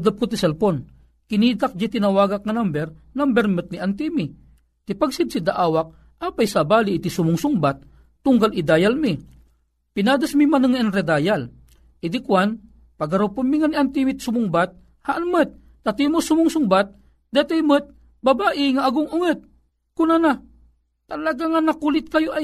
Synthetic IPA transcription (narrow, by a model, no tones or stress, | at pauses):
d̪ap̚kʊt̪isɛlpon | kɪniːd̪ak̚d͡ʒat̪inɐwaːɡak̚ŋɐnambɛɾnambɛɾmɨt̪̚niʔɐnt̪imi | t̪ɪpaɡsɪd̪̚sid̪aʔaːwak̚ | ʔaːpajsabaːliʔːt̪isʊmʊŋsʊŋbat̪̚ː | ʊŋɡalʔid̪aːjalmi | pinaːd̪ɐsmimanɨŋɐʔɛnɾɛd̪aːjal | ʔid̪ikwan | pɐɡɐɾupʊnmiŋaniʔant̪imit̪sʊmʊŋbat̪̚ | haʔanmət̪̚ːɐt̪imʊsʊmʊŋsʊŋbat̪̚ | d̪ɛt̪ɛjmət̪̚ | bɐbaːʔɪŋaːɡʊŋʊŋɛt̪̚ | kʊnana | t̪ɐlɐɡaŋanːɐkulɪt̪̚kɐjoʔaj